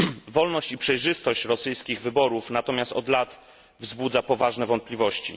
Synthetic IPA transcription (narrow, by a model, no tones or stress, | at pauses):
vɔlnɔɕt͡ɕipʂɛjʐɘst̪ɔɕt͡ɕɾɔsɘjskʲiɣvɘbɔɾufnat̪ɔmʲjast̪ɔd̪lat̪ | vzbud̪zapɔvaʐnɛvɔnt̪̚plʲivɔɕt͡ɕḭ